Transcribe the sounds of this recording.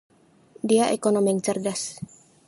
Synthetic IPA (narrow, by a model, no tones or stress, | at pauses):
diaʔekonomjaŋt͡ʃərdas